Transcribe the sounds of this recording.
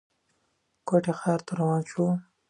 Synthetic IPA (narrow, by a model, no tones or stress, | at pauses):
kwaʈexɑːɾt̪ʰaɾawɑːnʃu